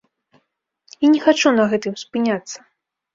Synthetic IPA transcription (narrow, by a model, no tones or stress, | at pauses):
inʲɛxat͡ʂunɐɣɛt̪ɨmspɨnʲat̪sːɐ̥